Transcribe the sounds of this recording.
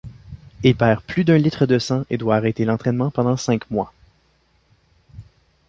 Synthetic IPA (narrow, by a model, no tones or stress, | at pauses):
ilpɛːʁplyd̪œ̃lit̪χəd̪əsɑ̃ʔed̪waːʁɛt̪elɑ̃t̪χɛnmɑ̃pɑ̃d̪ɑ̃sɛ̃kmwa